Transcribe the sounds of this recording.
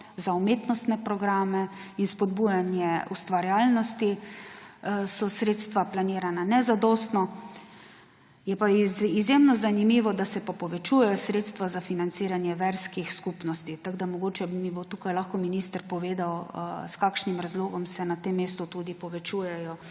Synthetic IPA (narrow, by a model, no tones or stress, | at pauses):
zaumeːt̪nɔst̪nɛpɾɔɡɾaːmɛinspɔd̪bujanjɛust̪ʋaɾjaːlnɔst̪i | sɔsɾeːt̪st̪ʋaplaniːɾananɛzad̪ɔːst̪nɔ | jɛpaizjemnɔzanimiʋɔd̪asɛpapɔʋɛt͡ʃuːjɛjɔsɾeːt̪st̪ʋazafinant̪seːɾanjɛʋɛɾskixskupnɔst̪it̪aɡd̪amɔɡoːt͡ʃɛbmibot̪uːkajlaxkɔminist̪əɾpɔʋeːd̪awskaːkʃnimɾazloːɡɔmsɛnat̪emːeːst̪ut̪ud̪ipɔʋɛt͡ʃuːjɛjɔ